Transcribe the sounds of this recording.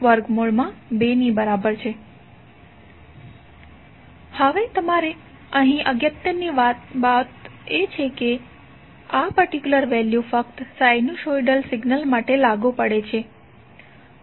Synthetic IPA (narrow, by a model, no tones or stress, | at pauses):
ʋəɾɡmoɭmãbenibəɾabəɾt͡ʃʰe | həʋet̪əmaɾe | əɦĩʔəɡjət̪jəniʋat̪bat̪et͡ʃʰeke | apəɾʈikjuləɾʋɛljufəkt̪sajnuʃoiɖəlsɪɡnəlmaʈelaɡupəɽet͡ʃʰe